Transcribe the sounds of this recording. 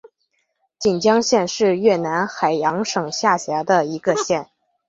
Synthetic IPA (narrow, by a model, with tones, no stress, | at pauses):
t͡ɕi˨˩nt͡ɕjɑ˥ŋɕjɛ˥˧nʂɻ̩˥˧ɥɛ˥˩na˧˥nxa˨˩ɪjɑ˧˥ŋʂɤ˨˩ŋɕja˥˩ɕja˧˥d̪ə˧i˧˥ɡə˧ɕjɛ˥˩n